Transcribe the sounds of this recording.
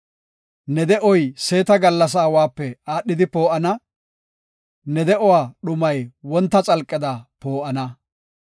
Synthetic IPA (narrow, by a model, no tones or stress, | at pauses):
nɛd̪ɛʔɔjse̞ːt̪ɐɡɐlːɐs̬aːwaːpːɛaːɗːɪd̪ɪpo̞ːʔɐnɐ | nɛd̪ɛʔɔwaːɗʊmɐjwɔnt̪ːɐt͡sʼɐlkʼːɪd̪ɐpo̞ːʔɐnɐ